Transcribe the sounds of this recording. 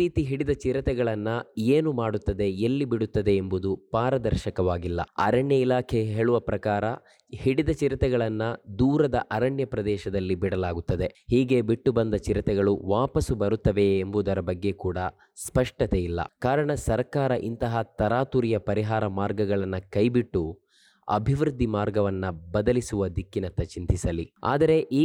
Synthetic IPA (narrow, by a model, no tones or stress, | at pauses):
ɾiːt̪iɦiɽid̪ɐt͡ʃiɾɐt̪ɛɡɐɭɐnːɐeːnumaːɽut̪ːɐd̪e̞elːibiɽut̪ːɐd̪e̞ːmbud̪upaːɾɐd̪ɐɾʃɐkɐʋaːɡilːɐ̰ɐ̰ɾɐɳjɐilaːkʰeɦeːɭuʋɐpɾɐkaːɾɐ | hiɽid̪ɐt͡ʃiɾɐt̪ɛɡɐɭɐnːɐd̪uːɾɐd̪ɐʔɐɾɐɳjɐpɾɐd̪ɛːʃɐd̪ɐlːibiɽɐlaːɡut̪ːɐd̪e̞hiːɡe̞biʈːubɐnd̪ɐt͡ʃiɾɐt̪ɛɡɐɭuʋaːpɐsubɐɾut̪ːɐʋe̞ːmbuːd̪ɐɾɐbɐɡːe̞kuːɽɐ | spɐʂʈɐt̪eilːɐ̰kaːɾɐɳɐsɐɾkaːɾɐʔint̪ɐɦɐt̪ɐɾaːt̪uɾijɐpɐɾiɦaːɾɐmaːɾɡɐɡɐɭɐnːɐkɐjbiʈːu | ɐ̰bʱiʋɾud̪ːimaːɾɡɐʋɐnːɐbɐd̪ɐlisuʋɐd̪ikːinɐnt̪ːɐt͡ʃint̪isɐlia̰ːd̪ɐɾe̞ʔiː